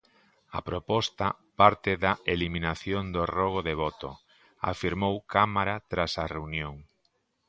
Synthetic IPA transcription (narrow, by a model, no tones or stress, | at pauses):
ɐ̰pɾopɔst̪ɐpaɾt̪ɪðɐʔeliminaθjond̪orɔɣ̞oðeβɔt̪o̰ | a̰fiɾmowkamaɾat̪ɾasɐreunjoŋ